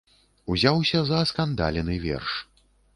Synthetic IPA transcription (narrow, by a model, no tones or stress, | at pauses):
uzʲawsʲɐzɐskand̪a̰lʲɛnɨvʲɛ̰rʂ